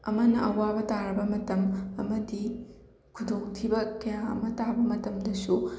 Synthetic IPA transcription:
ɐ̰mɐnɐʔɐwabɐtaɾɐbɐmɐtɐmɐ̰mɐdi | kʰudoŋtʰibɐkɐjãɐ̰mɐtabɐmɐtɐmdɐsu

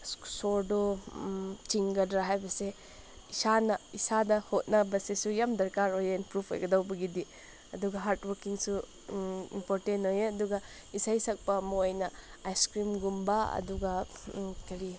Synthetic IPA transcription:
soɾdo | t͡ʃiŋɡɐdɾaɦajbɐse | isanɐisadɐhot̚nɐbɐsesujamdɐɾkaɾojeinpɾupʰo̰jɡɐdawbɐɡidi | ɐduɡɐɦaɾtwɐɾkiŋsu | ḭmpoɾtentojeɐduɡɐ | isajsɐk̚pɐːmɐojnɐajskɾimɡumbaɐ̰duɡɐkɐɾi

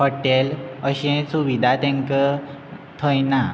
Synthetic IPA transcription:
hɔʈeləɕɛ̃suʋid̪ʱat̪ɛ̃ŋkət̪ʰəjna

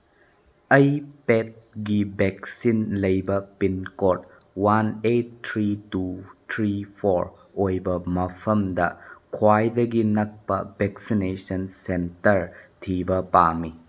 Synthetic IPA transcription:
ɐjpet̚ɡibɛk̚sinlɐjbɐpinkot̚ | wanetːʰɾitut̪ʰɾipʰoɾ | ojbɐmɐpʰɐmdɐkʰwajdɐɡinɐk̚pɐbɛksinesɐnsentɐɾtʰibɐpami

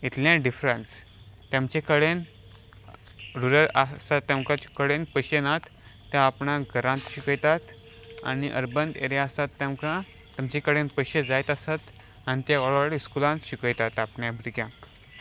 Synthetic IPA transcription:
it̪ljãɖifɾəns | t̪jãmt͡ɕekəɽen | ɾuɾəɾasat̪ːjãwkãt͡ɕekəɽenpəɕenat̪ː | jãːpɳãɡʱəɾãnt̪ɕikəjt̪at̪ | a̰niʔə̰ɾbənd̪ḛɾjaːsat̪ːjãmkã | t̪jamt͡ɕekəɽenpəɕed͡zajt̪asat̪ | anit̪jakɔɭaɾskulãnt̪ɕikəjt̪at̪apɳjãbʱɾiɡjã

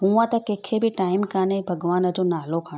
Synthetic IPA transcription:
ɦũːãt̪ɐkeːkʰebɪʈaːɪmkaːnebʱɐɡʋaːnəd͡ʑonaːlokʰɐɽ

